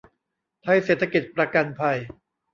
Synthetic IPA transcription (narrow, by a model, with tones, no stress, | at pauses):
t̪ʰa˧jseː˨˩t̪ʰːa˧ki˨˩t̪̚pɾa˧ka˧npʰa˧j